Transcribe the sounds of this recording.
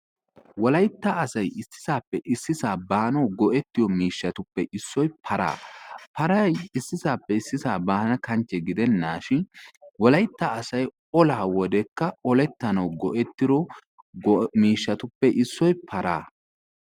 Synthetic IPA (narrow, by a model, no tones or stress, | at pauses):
wɔlɐjt̪ːaːsɐjɪsːɪ̥zaːpːɛʔɪsːɪzaːbaːnɐwɡɔʔɛt̪ːɪjɔmiːʃːɐt̪ʊpːɛʔɪsːɔjpʰɐɾa̰ːpʰɐɾɐjɪsːɪzaːpːɛɪsːɪzaːbaːnɐkɐnt͡ʃːɛɡɪd̪ɛnːaːʃɪnwɔlɐjt̪ːaɐsɐj | ɔlaːwɔd̪ɛkːɐɔlɛt̪ːɐnɐwɡɔʔɛt̪ːɪɾɔ | miːʃːɐt̪ʊpːɛʔɪsːɔjpʰɐɾa̰ː